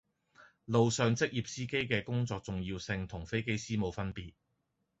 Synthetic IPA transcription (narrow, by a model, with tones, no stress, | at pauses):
lo˨wsœː˨˧ŋt͡sɪ˥k̚jiː˨p̚siː˥ke˥jkɛː˧kʊ˥ŋt͡sɔː˧k̚t͡sʊ˨ŋjiː˧wsɪ˧ŋt̪ʰʊ˨˩ŋfe˥jke˥jsiː˥mo˨˧wfɐ˥npiː˨t̚